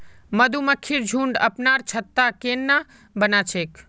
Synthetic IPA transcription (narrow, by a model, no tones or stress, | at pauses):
məd̪ʱuməkʰːiɾd͡ʒʱũːɳɖə̰pnaɾt͡ʃʰət̪ːakenːa | bənat͡ʃʰek